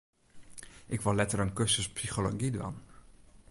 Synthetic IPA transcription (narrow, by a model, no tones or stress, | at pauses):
ʔɪkʋɔlɛtəɾənkøsəspsixolo̰ɡidʋa̰n